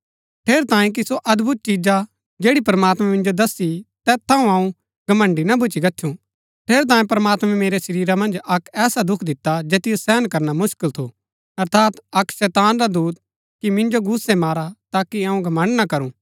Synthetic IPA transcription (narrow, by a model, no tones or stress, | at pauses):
ʈʰeːɾt̪ãːẽk̬isoʔɐd̪bʱʊt̪̚t͡ʃid͡ʒa | d͡ʒeːɽipɾɐmaːt̪mɛ̃mɪ̃nd͡ʒod̪ɐsit̪ɛːt̪ʰːãːũɐũ | ɡ̥ɐmə̃ɳɖinɐbʱʊt͡ʃiɡɐtːʃʰũ | ʈʰeːɾt̪̬ãːẽpɐɾɐmaːt̪mɛ̃meːɾesɐɾiːɾamɐ̃nd͡ʒɐkɛːsad̪ʊkʰd̪ɪt̪ːad͡ʒeːt̪ɪjosɛːnkɐɾnamʊʃkɪlt̪ʰo | ɐɾt̪ʰaːt̪ɐkʃɛːt̪aːnɾad̪uːt̪̚ | kimɪ̃nd͡ʒoɡʊsɛmaːɾat̪aːkiɐũɡʱɐmə̃ɳɖnakɐɾũː